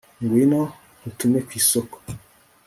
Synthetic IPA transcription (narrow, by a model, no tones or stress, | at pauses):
ŋɡwinɔ | hutumekwisoko̥